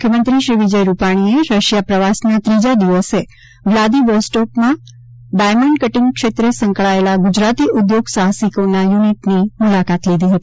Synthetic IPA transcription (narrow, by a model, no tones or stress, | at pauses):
mukʰjəmənt̪ɾiʃɾiʋid͡ʒəjɾupaɽ̃ieɾəʃjapɾəʋasnat̪ɾid͡ʒad̪iʋəse | ʋlad̪iʋəsʈopmã | ɖajməɳɖkəʈiŋkʃet̪ɾesə̃ŋkɭaelaɡud͡ʒɾat̪iʔud̪joɡsaɦsikonajuniʈnimulakat̪lid̪ʱiɦət̪i